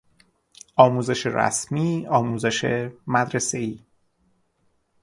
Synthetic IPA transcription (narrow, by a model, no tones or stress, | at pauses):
ʔɒːmuːze̞ʃeɾæ̰smiːɒːmuːze̞ʃemæd̪ɾeseiː